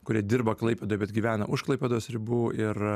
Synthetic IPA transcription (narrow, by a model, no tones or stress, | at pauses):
kʊɾʲiɛd̪ʲɪrbɐklˠɐɪpʲɛd̪oːjɛbʲɛt̪ɡʲiːʋʲæːnɐʔʊʃklˠɐɪpʲeːd̪oːsɾʲɪbuːɪr